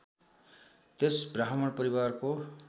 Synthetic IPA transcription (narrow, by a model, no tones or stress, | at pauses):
t̪esbraɦmʌɽpʌɾiwarko